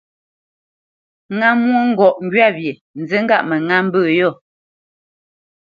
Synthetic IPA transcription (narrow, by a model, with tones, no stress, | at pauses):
ŋa˦mwo˦ŋ̩˦ɡɔ˨ʔŋ̩˦ɡɥa˦˨bje˨ | n̩˨zə˦ŋ̩˦ɡa˦ʔmə˨ŋa˦m̩˦bəː˦˨jɔ˦˨